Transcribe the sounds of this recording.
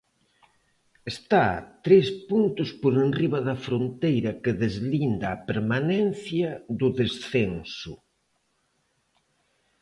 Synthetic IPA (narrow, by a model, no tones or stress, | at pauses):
est̪a̰t̪ɾespunt̪ʊspoɾenriβɐðɐfɾont̪ejɾɐkeðezlind̪aːpeɾmanɛn̟θjɐðʊðesθensʊ̰